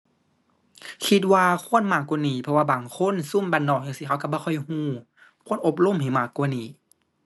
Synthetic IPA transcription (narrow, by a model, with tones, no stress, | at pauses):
kʰi˧˦t̪̚waː˧kʰu˧˥˨ə˨nmaː˧˩kːu˧˨niː˨˩pʰɔ˧waː˧baː˨˩ŋkʰo˧˥˨nsu˧˥˨mbaː˧˩nːɔː˧˩k̚jaː˧˨si˧kʰa˧˩˨ka˧˨bɔː˧xʰɔ˧˩jhũː˧˩˨ | kʰu˧˥˨nʔo˧˦p̬̚lo˧˥˨mha˨˩jmaː˧˩kːu˧˨niː˨˩˦